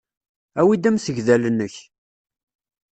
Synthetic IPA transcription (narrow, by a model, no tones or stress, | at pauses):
æwid̪æmsəʝðælənːəç